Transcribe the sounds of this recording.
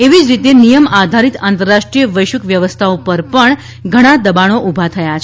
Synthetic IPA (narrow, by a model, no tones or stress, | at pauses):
eʋid͡ʒɾit̪enijəmad̪ʱaɾit̪ant̪əɾːaʃʈɾijəʋəjʃukʋjəʋəst̪ʰaopəɾpəɳ | ɡʱəɽ̃ad̪əbaɽ̃oʔubʱat̪ʰəjat͡ʃʰ